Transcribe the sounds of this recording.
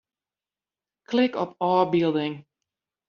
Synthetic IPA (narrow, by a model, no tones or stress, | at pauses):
kʰlɪkɔpɑːbilˠdɪŋ